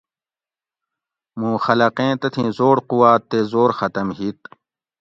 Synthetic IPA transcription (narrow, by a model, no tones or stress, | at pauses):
mũːxɐlɐqẽːt̪ɐt̪ʰĩːzoːɽquwaːt̪ːeːzoːɾxɐt̪ɐmɦit̪̚